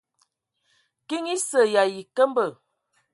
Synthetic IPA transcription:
ki˦ŋi˦sə˨ja˨ji˨kə˦m˦bə˨

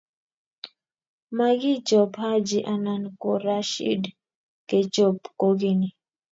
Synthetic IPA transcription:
ma˦ɡi˦t͡ʃo˨pha˦d͡ʒi˨ʔa˨na˨nko˨ɾa˨ʃḭ˦d | ke˨t͡ʃo˨pko˦ɡi˦ni˨

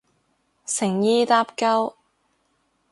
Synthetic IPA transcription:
sɪ˨˩ŋjiː˧t̪aː˥p̚kɐ˥w

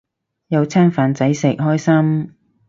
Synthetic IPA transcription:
jɐ˨˧wt͡sʰɛː˥ŋfaː˨˧nt͡sɐ˨˥jsɪ˨˩k̚ɦɔː˥jsɐ˥m

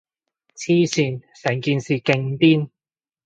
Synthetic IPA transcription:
t͡sʰiː˥syː˨˧nsɛː˨˩ŋkiː˨nsiː˨kɪ˧ŋt̪iː˥n

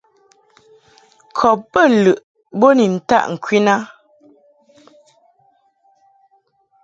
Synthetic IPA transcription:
kʰɔ˨p̚bə˦˨lʉ˨ʔ | bo˦ni˨n̩˨ta̰˦ʔŋ̩˨kwi˦na˦

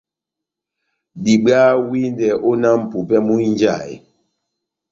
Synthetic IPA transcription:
ɗi˨ɓa˦wi˦ndɛ˨ʔo˦na˦m̩˨pu˨pɛ˦mu˦n˦d͡ʒa˦˨j̰

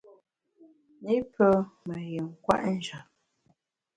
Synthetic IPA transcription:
ni˦pʰə˦mə˨jə˨ŋ̩˨kwa̰˦ʔn̩˦˨d͡ʒa˨

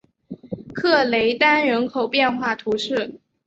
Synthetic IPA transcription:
kʰɤ˥˩le˧˥ɪt̪a˥nɻə˧˥nkʰo˨˩ʊpjɛ˥˧nxwa˥˩t̪ʰu˧˥ʂɻ̩˥˩

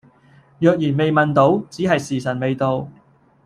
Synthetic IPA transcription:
jœː˨˧k̚jiː˨˩nme˨jmɐ˨nt̪o˨˥wt͡siː˨˥ɦɐ˨jsiː˨˩sɐ˨˩nme˨jt̪o˨˧w

